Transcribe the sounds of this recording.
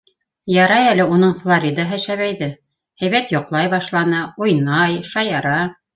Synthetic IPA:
jɑɾɑjælɘunɤɴflˠoɾʲid̪aɦæʃæβæjðɘ | hæjβæt̪jŏqlˠɑjbɑʃlˠɑnɤujnɑjʃɑjɑɾɑ

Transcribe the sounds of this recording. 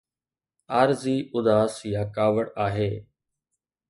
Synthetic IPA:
aːɾziːʔʊd̪aːsjaːkaːʋəɽaːɦeː

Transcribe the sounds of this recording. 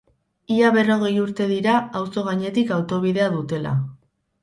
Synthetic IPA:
iaβe̞ro̞ɣ̞e̞juɾt̪e̞ðiɾaːwso̞ɣ̞aɲe̞t̪ikawt̪o̞β̞iðe̞aðut̪e̞la̰

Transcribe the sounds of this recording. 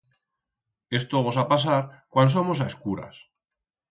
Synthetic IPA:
e̞st̪oβos̬apas̬aɾkwans̬omosaskuɾa̰s

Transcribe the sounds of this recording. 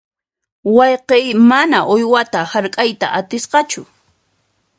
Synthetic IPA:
wɑjqejmanaʔojwat̪ahaɾkʼajt̪a̰ʔat̪ɪsqɑt͡ʃʊ

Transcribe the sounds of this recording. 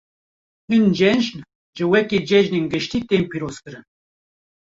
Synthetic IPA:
hɨnd͡ʒɛnʒn | ʒɨwɛked͡ʒɛʒnenɡɨʃt̪iːt̪eːmpiɾoːz̥kɨɾɨn

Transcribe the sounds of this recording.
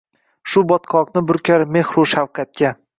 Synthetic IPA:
ʃʊbɒt̪qʰɒqnɪbʊɾkʲʰaɾme̞hɾuʃawqʰat̪̚kʲa

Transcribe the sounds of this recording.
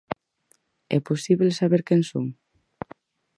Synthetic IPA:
ɛ̰pusiβlsaβeɾkenso̰m

